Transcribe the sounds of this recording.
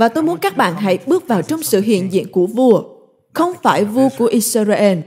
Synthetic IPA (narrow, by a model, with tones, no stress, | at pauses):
vaː˨˩t̪o˧jmu˨˦ənkaː˦˥k̚ɓa̰ː˧˨nɦa̰˧˥jɓɨ˦˥ək̚vaː˨˩wt͡ɕɔ˧wŋ͡msɨ̰˧˨ɦḭ˧˨ənzḭ˧˨ənku˧˩əvu˧ə | xə˧wŋ͡mfaː˧˩jvu˧ku˧˩əʔi˧sə˧zaː˧ʔɛ˧n